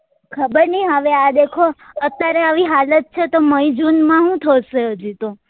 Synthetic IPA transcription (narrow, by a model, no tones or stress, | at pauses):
kʰəbəɾniɦəʋead̪ekʰoət̪jaɾeaʋiɦalət̪̚t͡ʃʰet̪oməid͡ʒunmãɦũt̪ʰəʃeɦəd͡ʒit̪o